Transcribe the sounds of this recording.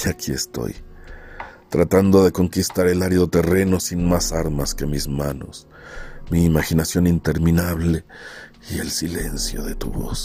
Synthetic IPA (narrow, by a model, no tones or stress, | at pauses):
akʰie̞st̪o̞̰j | t̪ɾat̪and̪o̞ðe̞ko̞ŋkist̪aɾe̞laɾiðo̞t̪e̞re̞no̞sinmasaɾmaske̞mizmano̞̰s | miːmaxinasjo̞nint̪e̞ɾmĩnaβle̞ | ie̞̰lsile̞̰nsjo̞ðe̞t̪ṵβo̞̰s